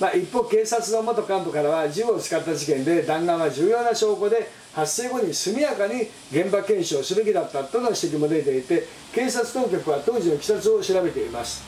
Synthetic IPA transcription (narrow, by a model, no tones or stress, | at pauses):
maʔipːo̞ːke̞ːsat͡sɨno̞mo̞t̪o̞kãmp̪o̞kaɾaβad͡ʑɨot͡sɨ̥kat̪ːad͡ʑikẽ̞nd̪e̞d̪ãŋɡãɰ̃aʑɨːjo̞ːnaɕo̞ːko̞d̪e̞ | hasːe̞ːɡo̞ɲ̟isɨmʲijakaɲ̟i | ɡẽ̞mbakẽ̞ɰ̃ɕiosɨbekʲid̪at̪ːat̪ːo̞no̞ɕi̥t̪e̞k̬ʲimo̞d̪et̪e̞it̪e̞ | ke̞ːsat͡sɨ̥t̪o̞ːk̬ʲokɯ̟βat̪o̞ːʑinokʲi̥sat͡sɨo̞ɕiɾabe̞t̪e̞imasɨ̥